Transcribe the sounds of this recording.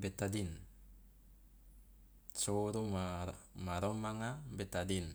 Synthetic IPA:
bɛt̪adin | t͡ʃoɾumamaɾɔmaŋabɛt̪adin

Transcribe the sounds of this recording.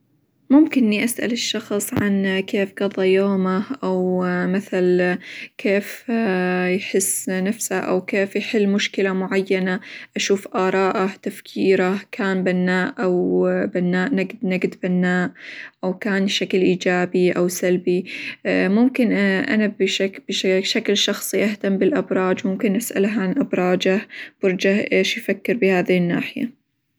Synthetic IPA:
mʊmkɪnːiʔasʔa̰lɪʃːɑxsˤʕankʰeːfɡ̥ɑðˤːɑjoːmaʔawmaθalkʰeːf | jħɪsːnafsaʔa̰wkeːfjħɪlːmʊʃkɪlamʊʕajːanaʔaʃuːfʔɑːɾˤɑːʔat̪afkʰiːɾakʰaːnbanːaːʔʔawbanːaːʔnaɡd̪naɡd̪banːaːʔʔawkaːnʃaklʔiːd͡ʒaːbiʔawsalbi | mʊmkɪnʔa̰nabʃakbɪʃaklʃɑxsˤiʔaht̪ambɪlʔabɾˤɑːd͡ʒwmʊmkɪnʔɪsʔa̰lhʕanʔabɾˤɑːd͡ʒab̥ɪɾˤd͡ʒahʔeːʃjfakːɪɾbɪhaːðɪhɪnːa̰ːħɪja̰

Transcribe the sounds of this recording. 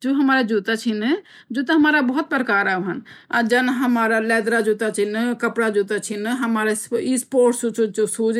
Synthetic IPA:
d͡ʒoːɦɐmaːɾad͡ʒuːt̪at͡ʃʰin | d͡ʒuːt̪̬aɦɐmaːɾabəɦʊt̪̚pɾəkaːɾaʋɦənad͡ʒənɦɐmaːɾalɛːd̪ɾad͡ʒuːt̪at͡ʃʰinkəpɽad͡ʒuːt̪at͡ʃʰinɦɐmaːɾesispoːɾʈsut͡ʃut͡ʃsuːd͡ʒ

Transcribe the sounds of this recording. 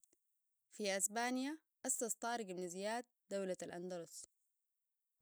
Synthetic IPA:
fiʔasbaːnija | ʔast̪ɑst̪ˤɑːɾˤɡimnazijaːt̪̚d̪̥awlaalʔa̰nd̪ɑlʊs

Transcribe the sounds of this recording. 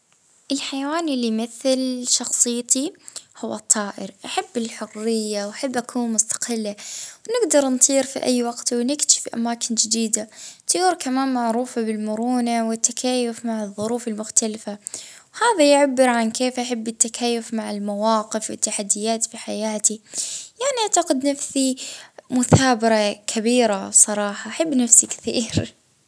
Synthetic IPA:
ʔɪlħajawaːnɪlːimɪθɪlʃɑxsˤɨjːt̪ihʊwːɑt̪ˤːɑːʔɪɾʔaħabːɪlħʊrːɪjːawʔaħabːʔakʰuːnmʊst̪ḁqɪlːawnɪɡd̪ɑɾˤnt̪ˤiːɾfḭʔa̰jːwɑɡt̪wnɪkɪ̥fiʔa̰maːkʰɪnd͡ʒɪd̪iːd̪at̪ˤuːɾkamaːnmaʕɾuːfabɪlmʊɾuːnawɪt̪ːakʰaːjːʊfmaʕɨðˤːʊɾuːfɪlmʊxt̪alfawhaːðajʕabːɪɾʕankeːfʔaħabːɪt̪ːakʰaːjːʊfmaʕɪlmawɑːqɪfwɪ̰t̪ːaħad̪ːɪjːaːt̪fiħajaːt̪ijaʕniʔaʕt̪aqɪd̪nafsimʊθaːbɪɾakʰabiːɾasˤɑɾˤɑːħɑʔaħabːnafsikɪ̥θḭːɾ

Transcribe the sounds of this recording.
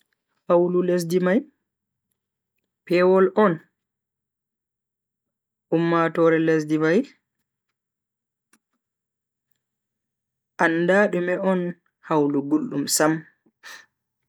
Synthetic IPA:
hawlules̬dimaj | pɛːwɔlʔɔn | ʔumːatɔɾɛles̬dimaj | ʔandaːɗumɛɔn | hawluɡulɗumsam

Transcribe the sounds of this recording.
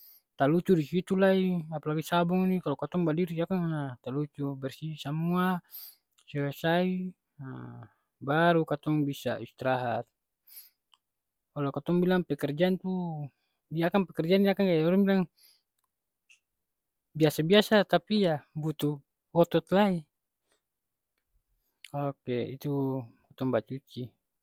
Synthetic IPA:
t̪alut͡ʃudisit̪ulaiapalaɡisabɔŋnikalɔkat̪ɔŋbadiɾiakaŋnat̪alut͡ʃubɛrsisamua | sɛasai | a | baɾukat̪ɔŋbisa̰ist̪ɾaɦat̪̚ | ɔlɔkat̪ɔŋbilaŋpɛkɛrd͡ʒant̪u | iakaŋpɛkɛrd͡ʒaniakaŋɡajɔɾɛŋbilaŋ | biasabiasat̪apijabut̪u | wɔt̪ɔt̪lai | ɔkɛḭt̪ukat̪ɔŋbat͡ʃut͡ʃi

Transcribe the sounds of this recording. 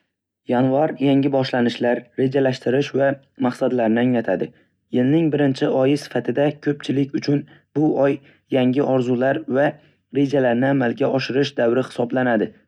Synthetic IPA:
janvaɾjaŋʲɪbɒʃlanɪʃlaɾːe̞d͡ʒalaʃt̪ɪɾɪʃva | maχsad̪laɾnɪaŋlat̪ʰad̪ɪ | jɪlnɪŋbɪɾɪnt͡ʃʰɪɒjɪsɪ̥fat̪ʰɪd̪akʲʰɵp̚t͡ʃʰɪlɪkʲʊt͡ʃʰʊn | bʊɒjː | aŋʲɪʔɒɾzʊlaɾva | ɾe̞d͡ʒalaɾnɪamalɡʲaɒʃɪɾɪʃd̪awɾɪhɪ̥sɒblanad̪ɪ

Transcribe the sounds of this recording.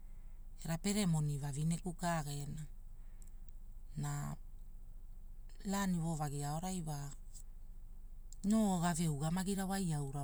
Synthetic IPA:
e̞ɾape̞ɾe̞mo̞nivavinekukaɡe̞na | na | laniβo̞vaɡiao̞ɾajβa | noɡave̞uɡamaɡiɾawajawɾa

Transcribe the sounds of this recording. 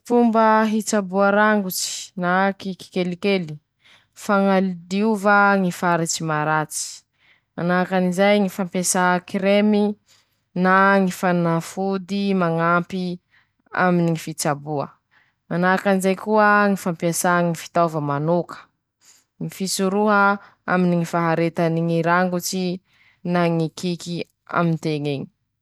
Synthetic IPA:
fumbəɦit͡sabuaɾaŋɡut͡si̥nakiki̥kelikeli̥ | faŋalid̪iuvaŋifaɾit͡simaɾat͡si̥ | manakanizajŋifampasakɾemi | naŋifanafud̪imaŋampi | a̰miniŋifit͡sabuə̰ | manakanizajkuəŋifampasaŋifi̥t̪avəmanokə̥ | ŋifisuɾuɦə | a̰miniŋifaɦaɾet̪aniŋiɾaŋɡut͡si | naŋikʰiki | a̰mint̪eŋeŋi̥

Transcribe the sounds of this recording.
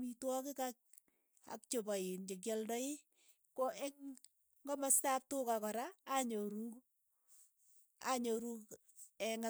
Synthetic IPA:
mitwɔkɪkak̚ | a̰k̚t͡ʃopaind͡ʒek̬jɔldɔɪ | kɔʔɛŋ | ŋɡɔmastap̚tʊkakɔɾaːɲoɾuk | aɲoɾuk | ɛŋa

